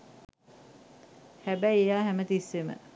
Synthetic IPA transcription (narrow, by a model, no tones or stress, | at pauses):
hæbæjejaːɦæmət̪isːemə̰